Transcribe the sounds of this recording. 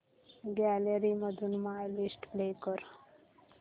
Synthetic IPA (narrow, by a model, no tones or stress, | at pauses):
ɡæleɾiməd̪ʱunmajlisʈblekəɾ